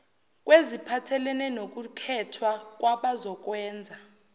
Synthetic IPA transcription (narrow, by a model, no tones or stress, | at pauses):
kʼwezipʰatʰɛlɛnɛnok̬ukʰɛtʰwak̬ʼwaɓazɔk̬ʼwɛːnd͡zʱa